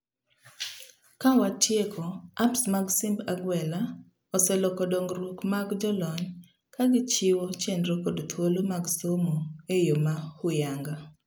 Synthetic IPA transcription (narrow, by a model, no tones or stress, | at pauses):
kawatʰjekʰɔapsmaɡsimbaɡwɛla | ɔsɛlɔkɔdɔŋɡɾukmaɡd͡ʒɔlɔɲ | kaɡɪt͡ʃɪwot͡ʃendɾokɔdt̪ʰwolomaɡsomoejomahʊjaŋɡa